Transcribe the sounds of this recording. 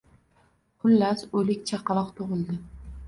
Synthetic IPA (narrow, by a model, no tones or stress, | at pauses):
qʰʊlːasɵlɪkʲt͡ʃʰaqʰɑlˠɑqt̪ʰoʁɨlˠd̪ɪ